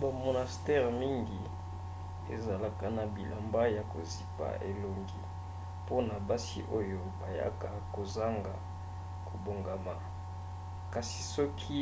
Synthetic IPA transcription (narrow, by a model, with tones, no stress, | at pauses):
ba˨mo˨na˨stɛ˦ʁmi˦ŋɡi˨ | ḛ˨za˨la˨ka˨na˨bi˨lʔa˨mba˦ja˨ko̰˨zi˨pa̰˨ʔe˨lo˨ŋɡḭ˦ | po˦na˨ba˦sḭ˦ʔo˦jo˦ba˨ja̰˦ka˨ko˨za˦ŋɡa̰˨ | ko˨bo˨ŋɡa˨ma˨ | ka˨si̥˨sɔ˦kʰi˦